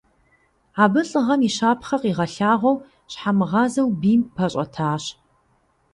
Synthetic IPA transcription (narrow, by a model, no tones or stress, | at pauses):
aːbɨɬʼɨʁɐmiːʃaːpʰχɐqiʁɐɬaːʁʷɐw | ɕħamɨʁɑːzɐwbiːmpʰɐɕʼɐ̰tʰaːɕ